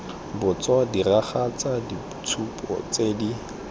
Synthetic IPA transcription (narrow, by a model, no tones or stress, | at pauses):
bʊt͡sadiraχat͡sadi | t͡sʰupʼɔ̰t͡sedi